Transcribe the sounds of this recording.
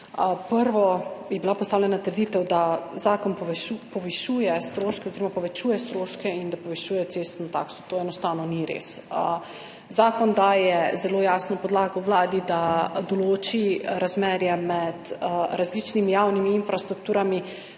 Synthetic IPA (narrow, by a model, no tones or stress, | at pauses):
pəɾʋɔjɛbilapɔst̪awlʲjɛnat̪əɾd̪iːt̪ɛwd̪azaːkɔnpɔupɔʋiʃuːjɛst̪ɾoːʃkɛɔoziɾɔmapɔʋɛt͡ʃuːjɛst̪ɾoːʃkɛind̪apɔʋɛʃuːjɛt̪seːst̪nɔt̪a̰ːksɔ̥t̪oːɛnɔst̪aːwnɔniɾḛsə | zaːkɔnd̪ajɛzɛloːjaːsnɔpɔd̪laːɡɔwʋlaːd̪id̪ad̪ɔloːt͡ʃiɾazmɛːɾjɛmɛd̪ɾazlit͡ʃnimijaːwnimiinfɾast̪ɾuk̚t̪uːɾami